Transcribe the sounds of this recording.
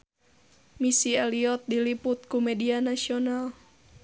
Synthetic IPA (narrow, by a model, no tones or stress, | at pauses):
misialiɔt̪̚dilipʊt̪̚kumɛdianasional